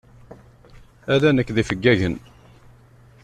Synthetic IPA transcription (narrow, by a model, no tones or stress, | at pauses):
æðænəkːðifəɡːæʝən